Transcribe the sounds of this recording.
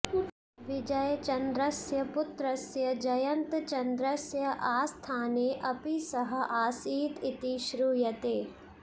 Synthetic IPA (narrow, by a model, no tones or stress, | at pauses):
ʋɪd͡ʒɐjt͡ʃɐnd̪ɾɐsjɐpʊt̪ɾɐsjɐd͡ʒɐjɐnt̪t͡ʃɐnd̪ɾəsjɐʔaːst̪ʰaːneːʔɐpisɐɦɐ̆ʔaːsiːt̪ɪt̪iʃɾuːjɐt̪eː